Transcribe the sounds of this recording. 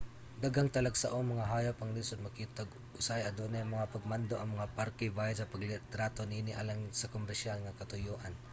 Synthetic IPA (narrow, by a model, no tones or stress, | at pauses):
d̪aɡaŋt̪ɐlaɡsaʔoŋmɐŋaɦajapɐŋlinsod̪̚mɐkiːt̪aɡ | ʔʊsajɐd̪oʔnajaŋmɐŋapɐɡ̚mand̪oʔɐŋmɐŋapaɾkɛbajasɐpɐɡlɪt̪ɾat̪oninɪʔalaŋsɐkomɛɾʃjalŋakɐt̪ʊjoːʔan